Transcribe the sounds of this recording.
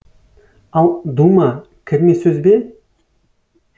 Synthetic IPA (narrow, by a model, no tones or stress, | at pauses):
ɑlˠd̪uma | kʲʰɪɾmesɵzbe